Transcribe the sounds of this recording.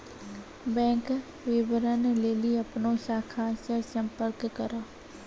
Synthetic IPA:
bɛ̃ːŋk | ʋeːbəɾaneleːliɐpnoʃaːkʰasesə̃mpəɾkːəɾaː

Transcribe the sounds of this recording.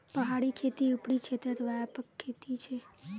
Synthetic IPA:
pəɦaɽikʰet̪iupɽikʃet̪ɾət̪ʋajapəkʰːet̪it͡ʃʰe

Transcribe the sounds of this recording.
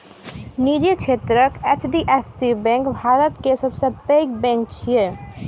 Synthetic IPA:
niːd͡ʒikʃʰeːt̪ɾəket͡ʃɖiʔesːibɛ̃ːŋkbʱaːɾət̪kesəbsepeɡ̚bɛ̃ŋk̚t͡ʃʰie

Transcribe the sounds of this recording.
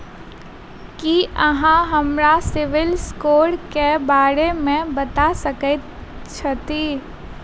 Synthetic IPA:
kiʔəɦãɦɐmɾasɪʋɪlskoːɽkebaːɾemẽbət̪asəkɛ | t͡ʃʰət̪i

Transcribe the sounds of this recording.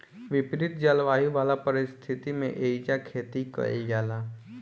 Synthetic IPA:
ʋɪpɾɪt̪̚d͡ʒalʋaːɦiʋaːlapəɾɪst̪ʰɪt̪imḛ̃ʔeːid͡ʒakʰeːt̪ikɐ̰ḛjaːlaː

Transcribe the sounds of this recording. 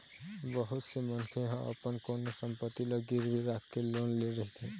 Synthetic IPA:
bʌɦut̪semʌnkʰeɦʌ̃ʔʌ̰pʌnkonosʌmpʌt̪ːilʌɡiɾiɾakʰkelonleɾʌɦit̪ʰi

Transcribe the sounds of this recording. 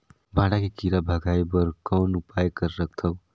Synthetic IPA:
bʱãɽakekiɾabʱəɡajbəɾkawnupajkəɾɾək̚ʰt̪ʰəw

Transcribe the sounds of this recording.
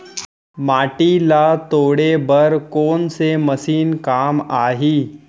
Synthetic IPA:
maʈilat̪oɽebəɾkonseməsiːnkamaɦi

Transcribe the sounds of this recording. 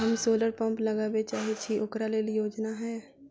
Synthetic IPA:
ɦɐmsoːləɾpɐ̃mplɐɡaːbet͡ʃaːɦet͡ʃʰiʔʊkɾaleːlijoːd͡ʒnaɦɛː

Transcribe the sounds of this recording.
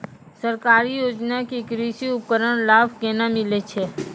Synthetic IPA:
səɾkaːɾijoːd͡ʒnakikɾiːʃiʊp̚kəɾəɽ̃laːbkeːnamɪlet͡ʃʰe

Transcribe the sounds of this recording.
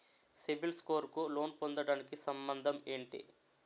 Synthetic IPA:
sibilsko̞ːɾkulo̞ːnpond̪ɐɽaːnikisɐmbɐnd̪ʱɐme̞ːɳʈḭ

